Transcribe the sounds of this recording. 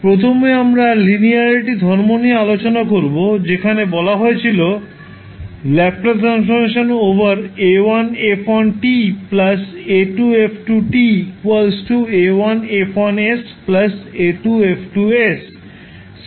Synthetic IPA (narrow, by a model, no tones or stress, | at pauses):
pɾot̪ʰomeamɾaliniaɾeʈid̪ʱɔɾmoniealot͡ɕonakoɾbod͡ʑekʰanebɔlaɦoet͡ɕʰilo | lɛp̚ʈaɾansf̬oɾmeʃonobaɾewanefʰɔnʈiplaseʈuepʰʈuʈikualsʈuewanefʰanes | plɐseʈuepʰʈues